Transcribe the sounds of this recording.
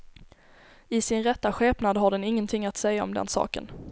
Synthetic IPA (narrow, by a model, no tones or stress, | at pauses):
ɪsɪnɾɛt̪ːaɧeːpnad̪ɦaɖɛnɪŋːənt̪ʰɪŋːat̪sɛjːaɔ̰md̪ɛ̰nsɑ̰ːkə̰n